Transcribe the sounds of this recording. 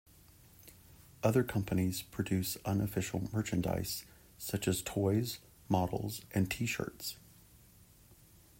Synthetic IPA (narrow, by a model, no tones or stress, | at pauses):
ʔʌðə˞kʰʌ̃mpɨniz̥pʰɹ̥ɨdʉsʌ̃nɨfɪʃl̩ˠmɜ˞t͡ʃɨ̃nda̰ɪsː | ʌt͡ʃɨz̥tʰɔɪz | mɑɾl̩ˠzʔɨ̃ntʰiʃɜ̰˞ts